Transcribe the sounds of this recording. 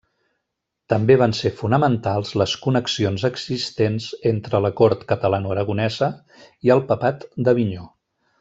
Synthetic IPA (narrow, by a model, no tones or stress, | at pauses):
t̪əmbeβansefunəmənt̪alˠzləskunəksionzəɡz̥ist̪enzent̪ɾələkoɾt̪kət̪əlanuəɾəɣ̞unɛzə | iəlˠpəpat̪d̪əβiɲo